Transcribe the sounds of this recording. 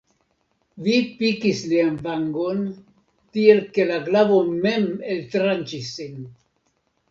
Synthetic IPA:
vipikislianvaŋɡo̞n | tie̞lke̞laɡlavo̞me̞me̞ltɾant͡ʃisːin

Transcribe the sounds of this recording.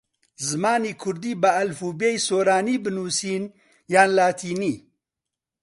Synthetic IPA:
zɨmaːniːkʰʊɾd̪iːbɨɐlfuːbejsoːɾaːniːbɨnuːsiːn | jaːnlaːt̪ʰiːniː

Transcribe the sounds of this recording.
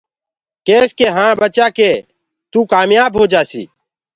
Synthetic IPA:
keːskeːɦãːbət͡ʃaːkeː | t̪uːkaːmjaːbɦoːd͡ʒaːsḭː

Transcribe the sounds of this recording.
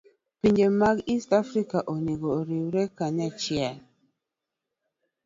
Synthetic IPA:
piɲd͡ʒemaɡistafɾikaʔoniɡoɾiwɾɛkaɲat͡ʃɪal

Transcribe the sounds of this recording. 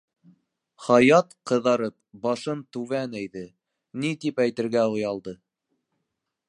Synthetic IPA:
χɑjɑt̪qɤ̆ðɑɾɤp̚bɑʃɤnt̪ʉvænæjðɘ | nit̪ipæjt̪ɘ̆ɾɡæujɑlˠd̪ɤ

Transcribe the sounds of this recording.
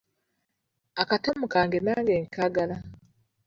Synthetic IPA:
akatomukaːŋɡenaːŋɡeːŋkaːɡala

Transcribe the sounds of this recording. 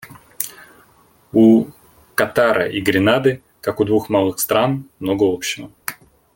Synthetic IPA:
u | kɐt̪aɾʔə̰ʔiɡɾʲɪnad̪ɨ | kakʊd̪vuxmalˠɨxst̪ɾanmnoɡəopɕːɪvə

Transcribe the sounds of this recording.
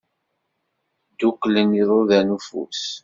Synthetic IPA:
d̪ukːləniðˤoðænufṵs

